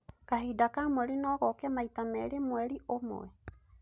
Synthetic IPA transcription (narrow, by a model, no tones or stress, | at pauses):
kaɦidakamwɛɾinɔɣɔkamait̪amɛɾemwɛɾiʔom̰ɛ